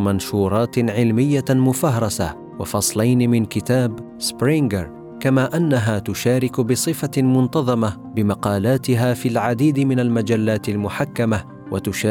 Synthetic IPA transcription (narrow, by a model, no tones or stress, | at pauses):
manʃuːɾˤɑːt̪ʕɪlmɪjːamʊfaɦɾˤɑsa | wɑfɑsˤlajnɪmɪnkɪt̪aːb | sbɾɪŋɡɪɾˤ | kamaːʔanːaɦaːt̪ʊʃaːɾɪkʊbɪsˤɨfamʊnt̪ɑðˤɑma | bɪmɑqɑːlaːt̪ɪɦaːfilʕad̪iːd̪ɪmɪnalmad͡ʒalːaːt̪ɪlmʊħakːama | wat̪ʊʃa